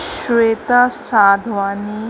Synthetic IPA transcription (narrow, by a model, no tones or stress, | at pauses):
ʃʋeːt̪asaːd̪ʱʋaːni